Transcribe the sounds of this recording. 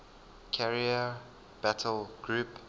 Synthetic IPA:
kʰɛɹiə | b̥ætʰəlɡ̥ɹup

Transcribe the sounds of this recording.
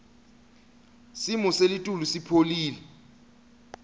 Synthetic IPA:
simɔselitʼulusipʰoliːlɛ

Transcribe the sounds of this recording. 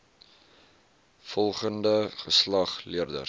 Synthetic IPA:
fɔlˠχəndəχəslɐχliərdə̰

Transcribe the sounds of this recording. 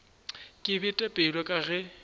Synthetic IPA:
kʼɪbɪtʼɛpʼɛlwɔkʼaɣɛ

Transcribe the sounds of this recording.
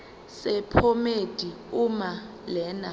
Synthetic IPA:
sɛpʰomed̥ʱi | uma | lɛːna

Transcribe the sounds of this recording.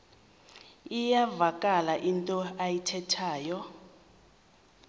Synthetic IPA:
ijavakʼalaʔintʼɔajitʰɛtʰaːjɔ

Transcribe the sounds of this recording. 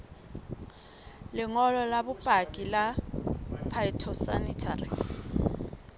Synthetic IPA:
lɪŋɔlɔlabʊpʼakʼila | pʰaitʰɔsanitʰarḭ

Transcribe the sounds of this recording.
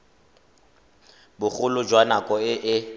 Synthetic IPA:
bʊχʊlʊd͡ʒwanakʼɔɪʔɪ

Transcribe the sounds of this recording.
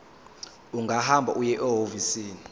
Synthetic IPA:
uŋɡʱahambʱa̰ʔujɛʔɛɦovisiːni

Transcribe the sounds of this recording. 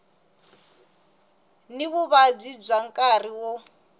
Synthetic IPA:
niβuβab͡ʐib͡ʐaŋkʼariwɔ

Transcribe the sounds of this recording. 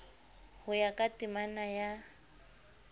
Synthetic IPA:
hʊjakʼatʼimanaja

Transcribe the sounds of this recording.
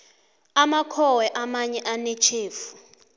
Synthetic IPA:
amakʰɔwɛʔamaɲɛʔanɛt͡ʃʰeːfu̥

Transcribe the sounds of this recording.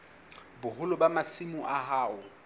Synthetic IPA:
bʊhʊlʊbamasimʊʔaɦaːʊ

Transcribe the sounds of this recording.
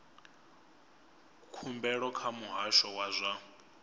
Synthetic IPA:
kʰumbɛɺɔkʰamuɦaʃɔwazʷa

